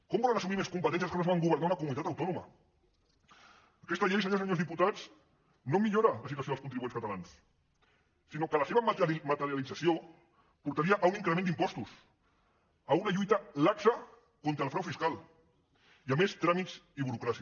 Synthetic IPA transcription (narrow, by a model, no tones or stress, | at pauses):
kɔmbɔlənɐsumimeskumpət̪ɛns̬jəskonoβaŋɡuβ̞əɾnaunəkumunit̪at̪ɐwt̪ɔnumɐ̰ | əkɛst̪aʎejs̬əɲosəɲozðiput̪at͡s | nomiʎoɾaləs̬it̪wasjoəskunt̪ɾiβuenskət̪alans | inokəlɐseβɐmat̪əɾjalid͡zəsio | puɾt̪aɾiaʔauniŋkɾəmend̪impɔst̪us | əunaʎujt̪ɐlaksə | kont̪ɾəːlˠfɾawfiskalˠ | iamest̪ɾamiziβuɾukɾasi